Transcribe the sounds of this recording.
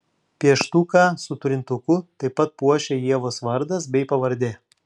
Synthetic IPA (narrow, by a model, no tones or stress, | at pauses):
pʲiɛʃt̪uːkɑsʊt̪ʊɾʲɪnt̪ʊkʊt̪ɐɪpːɐt̪̚puɔʃʲɛːjiɛʋoːsʋɐɾd̪ɐs̬bʲɛɪpɐʋɐɾʲd̪ʲe